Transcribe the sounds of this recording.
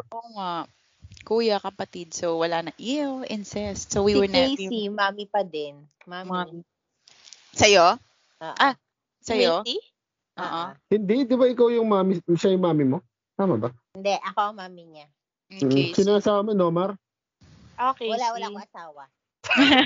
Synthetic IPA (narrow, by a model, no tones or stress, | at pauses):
ʔoːŋa | kuːjɐkɐpɐt̪id̪̚sowwɐlanɐŋʔɪoʔɪnsɛst̪sowwiwɛɹnɛimaːmipɐd̪ɛn | mama | sɐjo | ʔoːʔa | sɐjo | ʔoːʔohɪnd̪ɪd̪ɪbaʔɪkawjʊŋmaːmɪʃajʊŋmaːmɪmo | t̪aːmɐbɐhɪnd̪ɛʔɐkoʔɐŋmaːmɪɲaː | ʔk̩sɪnaʔɐsaːwɐmonomɐɾ | ʔoːkɛwɐlawɐlaoŋɐsaːwɐ